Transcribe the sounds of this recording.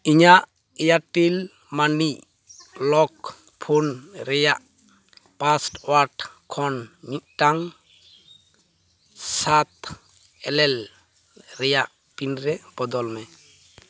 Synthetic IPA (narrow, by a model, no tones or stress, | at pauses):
iɲaʔ | ɛjaʈil | mani | lɔk | pʰonɾɛjaʔ | pasʈwaʈkʰɔnɲit̪̚ʈaŋ | sat̪ | ɛlɛl | ɾɛjaʔ | pinɾɛb̥ɔd̪ɔlmɛ